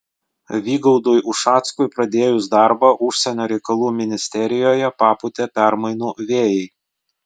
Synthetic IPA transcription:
ʋʲiːɡɔʊd̪ʊjʔʊʃɑːt̪skʊɪpɾɐd̪ʲeːjʊsd̪ɑˑɾbɑːʔʊʃʲsʲɛnʲoːɾʲɛɪkɐlˠuːmʲɪnʲɪsʲt̪ʲɛɾʲɪjoːjɛpɑːpʊt̪ʲɛpʲæɾmɐɪnuːʋʲeːjɛɪ

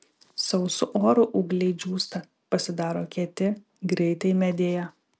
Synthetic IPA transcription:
sɐʊsʊʔoːɾʊʔʊɡlʲɛɪd͡ʒʲuːst̪ɐ | pɐsʲɪd̪ɑːɾoːkʲiɛt̪ʲɪ | ɡɾʲɛɪt̪ɐɪmʲɛd̪ʲeːjɛ

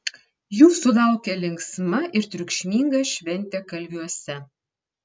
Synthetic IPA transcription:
juːsud̪ɑʊkʲelʲɪŋksmɐʔɪɾt̪ʲɾʲukʃʲmʲiŋɡɐʃʲʋʲɛnʲt̪ʲekɐlʲbʲyɔsʲɛ

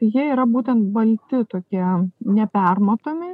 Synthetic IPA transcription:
jiɛiːɾɐbuːt̪ʲɛnt̪̚bɐlʲt̪ʲɪt̪oːkʲiɛnʲɛpʲærmɐt̪oːmʲɪ

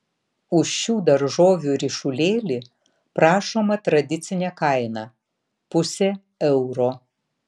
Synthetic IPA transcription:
ʊʃːuːd̪ɐɾʒoːʋʲuːɾʲɪʃʊlʲeːlʲi | pɾɑːʃoːmɐt̪ɾɐd̪ʲɪt̪sʲɪnʲɛkɐɪnɐ | pʊsʲeː | ɛʊɾoː

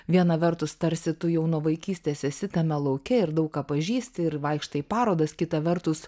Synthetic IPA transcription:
ʋʲiɛnɐʋʲɛɾt̪ʊst̪ɐɾʲsʲɪt̪ʊjɛʊnoːʋɐɪkʲiːsʲt̪ʲeːsʲɛsʲɪt̪ɐmʲɛlˠɐʊkʲɛɪɾd̪ɐʊkkɑːpɐʒʲiːsʲt̪ʲɪɪɾʋɐɪkʃt̪ɐɪpɑːɾoːd̪ɐskʲɪt̪ɐʋʲɛɾt̪ʊs

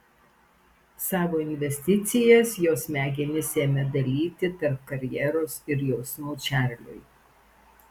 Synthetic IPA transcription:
sɑːʋoːɪnʲʋʲɛsʲt̪ʲɪt̪sʲɪjɛsjoːsmʲæːɡʲɪnʲɪsʲeːmʲɛd̪ɐlʲiːt̪ʲɪt̪ɐɾp̚kɐɾʲjɛɾoːsɪɾjoːsnɔʊt͡ʃʲæˑɾʲlʲʊ̰j

